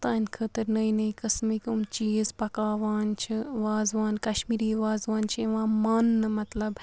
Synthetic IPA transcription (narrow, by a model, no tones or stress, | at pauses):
t̪aːnʲkʰət̪ɐɾnɐĩnɐĩkɐsmikumt͡ʃiːzpɐkaːʋaːnt͡ʃʰiʋaːzʋaːnkɐʃmiːɾiːʋaːzʋaːnt͡ʃʰeʋãːmaːnːɨmɐt̪lɐb